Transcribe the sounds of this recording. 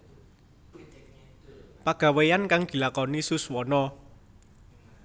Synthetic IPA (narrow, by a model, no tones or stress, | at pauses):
paɡ̥a̤wejankaŋd̪̥i̤lakɔnisuswɔnɔ